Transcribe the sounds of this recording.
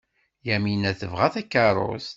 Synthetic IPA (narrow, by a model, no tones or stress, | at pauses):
jæminæθəvʁæθækːɑɾˤo̰θ